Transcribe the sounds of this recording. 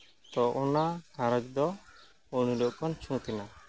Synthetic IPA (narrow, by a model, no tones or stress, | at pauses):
t̪ɔʔɔnakaɾək̚d̪ɔ | uɽ̃ilɔʔkɔnt͡ʃʰũt̪ɛna